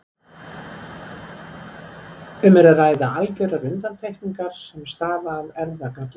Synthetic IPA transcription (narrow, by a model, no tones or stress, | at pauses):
ʏmɛɾaraːjðaalcœɾaɾʏnt̪anp̪ʰejhniŋkaɾ̥sɛmst̪aːvaːðɛɾðakat̪l